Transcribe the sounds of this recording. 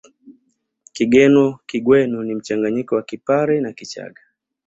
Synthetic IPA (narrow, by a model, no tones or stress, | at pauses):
kiɡɛnɔkiɡwɛnunim̩t͡ʃaŋɡaɲikɔwakipaɾɛnakit͡ʃa̰ɡa